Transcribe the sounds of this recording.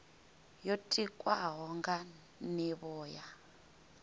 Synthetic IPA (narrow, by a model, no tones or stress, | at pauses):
jotʼikʼwaɦɔŋɡa | niβɔːja